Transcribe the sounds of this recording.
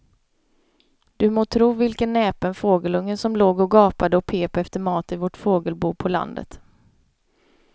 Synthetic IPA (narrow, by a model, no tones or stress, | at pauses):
d̪̥ɵmoːt̪ʰɾuːvɪlkənːɛːpənfoːɡəlɵŋːənsɔmloːɡɔɡɑːpad̪əɔpʰeːpɛft̪əɾmɑːt̪ɪvɔʈfoːɡəlbuːpʰɔla̰nd̪ə̰t̪